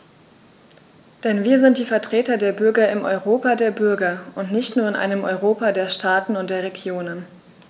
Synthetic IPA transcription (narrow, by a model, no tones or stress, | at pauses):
d̥ɛnviːɐzɪnt̚d̥iːfɛɐtʁ̥eːtɐdeːɐbʏɐɡɐɪmʔɔʏʁoːpadeːɐbʏɐɡɐʔʊntnɪçtnuːɐɪnʔa̰ɪnəmʔɔ̰ʏʁoːpadeːɐʃtʰaːtn̩ʊnt̚d̥eːɐʁ̞eɡjoːnən